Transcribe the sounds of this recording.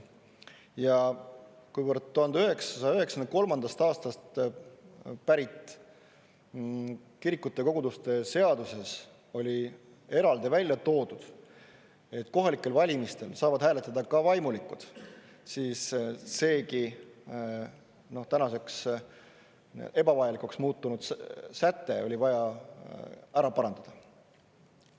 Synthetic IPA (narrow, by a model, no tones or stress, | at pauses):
jɑ | kujvərd̪̥̚t̪ːuhɑnd̪yɦe̞ksɑ̥sɑjɑyhe̞ksɑnko̞lmɑnd̪̥ɑst̪ɑːst̪ɑst̪ | pæɾit̪ˑ | kiɾikːˑut̪ːˑe̞ko̞ɡ̥ud̪ust̪e̞se̞ɑd̪use̞s | o̞lʲi | e̞ɾɑld̪̥ivælʲjɑt̪o̞ːd̪ud̪̥ | e̞t̪ːˑko̞ɦɑlikˑːe̞lvɑlʲimist̪e̞lsɑːvɑd̪̥hæːle̞t̪ːˑɑd̪ɑkɑvɑjmulikːˑud̪̥ | siːsːe̞ːki | no̞ht̪ænɑse̞ks | e̞bɑvɑjɑlikuksmuːt̪ˑːunud̪̥sæt̪ːe̞o̞lʲivɑjɑ | æɾɑpɑɾɑnd̪̥ɑd̪̥ɑ